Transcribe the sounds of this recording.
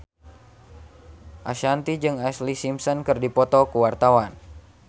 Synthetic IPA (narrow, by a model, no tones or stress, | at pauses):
ʔaʃant̪id͡ʒɨŋaslisimsɔnkɨrdipɔt̪ɔkuwart̪awan